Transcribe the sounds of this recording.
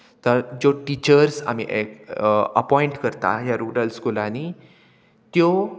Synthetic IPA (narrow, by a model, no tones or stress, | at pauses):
t̪əɾd͡zoʈit͡ɕəɾsa̰miʔekəpɔiɳʈkəɾt̪a̰ɦjaɾuɾəlskulani | t̪jo